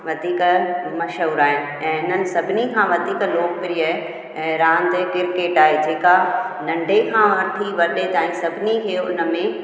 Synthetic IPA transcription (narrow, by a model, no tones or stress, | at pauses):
ʋɐd̪ʱiːkmɐʃəʊɾaːɦɪ | ɛ̃ːɪnənɪ̆sɐbʱɪnikʰãʋɐd̪ʱiːkloːk̚pɪɾiə̃ː | ɾãːnd̪ekɪɾkeːʈaːɦed͡ʑeːka | nɐ̃ɳɖʱekʰãːɦɐɾt̪ʰiʋɐɗet̪ãːĩsɐbʱɪnikʰeːʊ̰nə̆mẽ